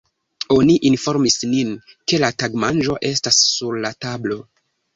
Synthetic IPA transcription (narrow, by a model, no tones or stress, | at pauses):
o̞niʔinfo̞ɾmisnin | ke̞lataɡmanʒo̞ʔe̞stasːuɾlatablo̞